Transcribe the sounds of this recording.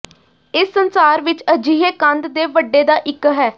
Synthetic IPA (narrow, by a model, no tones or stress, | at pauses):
ɪsːənsaːɾʋɪt͡ʃəd͡ʒiːɦeːkənd̪d̪eːʋəɖːeːd̪aːʔɪkɦɛː